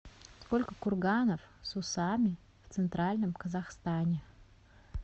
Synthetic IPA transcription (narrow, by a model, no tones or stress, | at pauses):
sko̞lʲkəkʊrɡanəfsʊsamʲɪ | ft̪sɨnt̪ɾalʲnəmkəzaxst̪anʲɪ